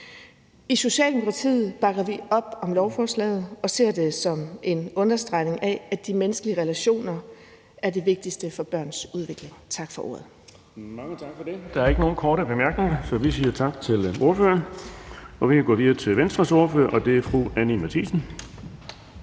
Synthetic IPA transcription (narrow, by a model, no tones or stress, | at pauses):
iso̝ɕɛ̰ːld̥emo̝kʰɑ̈t͡sʰḭːð̩ˠb̥ɑ̈ɡ̥ɐʋiɒ̽b̥ɒ̽mlɒʊfɒːslɛ̰ːɪð̩ˠɒ̽se̝̰ɐ̰d̥e̝sɒ̽me̝nɔ̽nɐsd̥ʁɑ̈ɪne̝ŋʔɛæd̥imenəsɡ̥əliəʁelæɕo̝̰ːnɐ | æɐde̝ʋe̝ɡ̥̚d̥isd̥əfɒ̽b̥ɶɐ̰nsuð̞ˠʋe̝ɡ̥le̝ŋt͡sʰɑ̈ɡ̥fɒ̽ʔo̝̰ːɐð̩ˠ | mɑ̈ŋət͡sʰɑ̈ɡ̥fɒd̥e̝d̥ɑ̈æɐe̝ɡ̥əno̝ːn̩kʰɒːɾəb̥e̝mæɐɡ̥ne̝ŋɐsɒ̽ʋisiːɐt͡sʰɑ̈ɡ̥t͡sʰe̝lʔo̝ɐfø̰ːɐn | ɒ̽ʋikʰæɡ̥ɔ̰ːʋiðˠɐt͡sʰe̝lʋensd̥ʁɐso̝ːɐføɐ̰ʔɒ̽d̥e̝æɐfʁuænimæt͡sʰḭːsn̩